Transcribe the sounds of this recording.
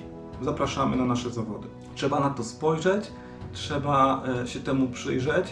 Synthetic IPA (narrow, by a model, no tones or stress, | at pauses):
zapɾaʂamɘnanaʂɛzavɔd̪ɘ | tʂɛbanat̪ɔspɔjʐɛt͡ɕ | tʂɛbaɕɛt̪ɛmupʂɘ̰jʐɛt͡ɕ